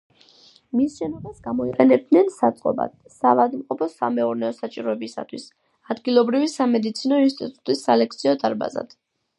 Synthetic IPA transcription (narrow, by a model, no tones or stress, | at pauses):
misʃɛnɔbasɡamɔiqʼɛnɛb̚d̪nɛnsat̪sʼqʼɔ̰ba̰d̪̥ | savad̪mqʼɔpʰɔsamɛuɾnɛɔsat͡ʃʼiɾɔɛbisa̰t̪ʰwis | ad̪ɡilˠɔbɾivisamɛd̪it̪sʰinɔinst̪ʼḭt̪ʼut̪ʼisːalɛk̚ʰt̪sʰiɔd̪aɾba̰za̰d̪̥